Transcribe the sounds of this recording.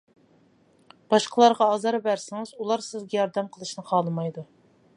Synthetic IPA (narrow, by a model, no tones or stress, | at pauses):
b̥ɑʃqʰəlˠɑɾʁɑːzɑɾbæɾsɪŋɨzulˠɑɾsɪzɡʲɛjɑɾd̪ɛmqʰəlˠɨʃnɨqʰɑlˠɨmɑjd̪u